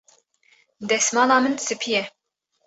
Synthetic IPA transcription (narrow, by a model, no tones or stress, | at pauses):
d̪ɛsmɑːnɑːmɨnd̪ɨsɨpʰijɛ